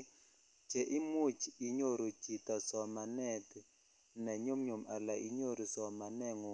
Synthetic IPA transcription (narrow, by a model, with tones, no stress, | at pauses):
d͡ʒɛ˨ʔi˦mu˦˨t͡ʃʰi˨i˦ɲo˦˨ɾo˨d͡ʒi˨ta˨sɔ˨ma˨nɛ˦˨tɛ˨ | nɛ˨ɲo˦m̩˦ɲo˨mʔa˨la˨ʔi˨ɲo˦˨ɾi˨sɔ˨ma˨nɛ˦˨ŋɔ˨